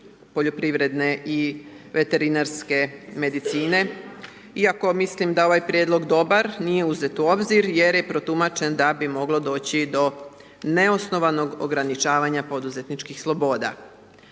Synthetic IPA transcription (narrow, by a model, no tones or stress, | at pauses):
po̞ʎo̞pɾiʋɾe̞d̪neʔi | ʋe̞t̪e̞ɾinaɾske̞me̞d̪it̪siːne̞ | iako̞mislimd̪ao̞ʋajpɾjed̪lˠo̞ɡd̪o̞baɾnije̞uze̞t̪uo̞bziɾje̞ɾje̞pɾo̞t̪umat͡ʃe̞nd̪abimo̞ɡlo̞d̪o̞ːt͡ɕid̪o̞ | neo̞sno̞ʋano̞ɡo̰ɡɾanit͡ʃaːʋaɲapo̞d̪uze̞t̪nit͡ʃkixslˠo̞bo̞ːd̪a̰